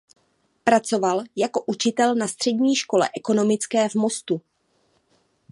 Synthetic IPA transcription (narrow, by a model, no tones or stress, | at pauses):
pɾat͡so̞valjako̞ʔut͡ʃɪt̪ɛlnast̪r̥ɛdɲiːʃko̞lɛ̰ʔɛko̞no̞mɪt͡skɛːvmo̞st̪u